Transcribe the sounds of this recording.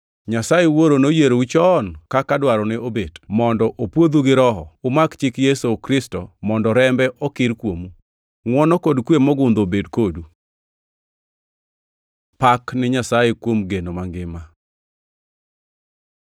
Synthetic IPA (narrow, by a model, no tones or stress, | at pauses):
ɲasajewoɾonojeɾout͡ʃɔnkakadwaɾɔnɛobedmɔndɔʔopwod̪uɡɪɾɔɦɔ̰ʊmakt͡ʃɪkjesokɾɪstomɔndɔɾɛmbɛʔɔkɪɾkwomu | ŋwɔnɔkɔdkwemɔɡʊnd̪obedkodu | paknɪɲasajekwomɡenomaŋɡɪma